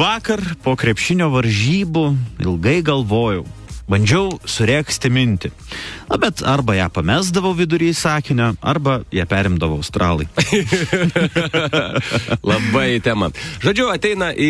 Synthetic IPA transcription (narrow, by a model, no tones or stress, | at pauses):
ʋɑːkɐrpoːkɾʲɛpʲʃʲɪnʲoːʋɐɾʲʒʲiːbʊɪ̰lˠɡɐɪɡɐlˠʋoːjɛʊbɐnʲd͡ʒʲɛʊsʊɾʲɛːksʲt̪ʲɪmʲɪnʲt̪ʲɪ | nɐbʲɛt̪ɐɾbɐjæːpɐmʲæːzd̪ɐʋɐʊʋʲɪd̪ʊɾʲiːsɑːkʲɪnʲoɐ̰ɾbɐjæːpʲæːɾʲɪmd̪ɐʋɐʊɐʊst̪ɾʔɑːlˠɐɪ | lˠɐbɐɪt̪ʲæːmɐʒoːd͡ʒʲʊɐt̪ʲɛɪnɐʔi